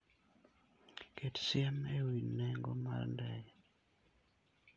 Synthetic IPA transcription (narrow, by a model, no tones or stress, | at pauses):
kʰetsɪɛnewinːɛŋɡoma̰rndɛj